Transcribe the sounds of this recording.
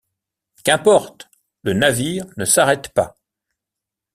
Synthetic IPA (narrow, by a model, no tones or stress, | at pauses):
kʲɛ̃pɔʁt̪ | lənaviːʁnəsaʁɛt̪pa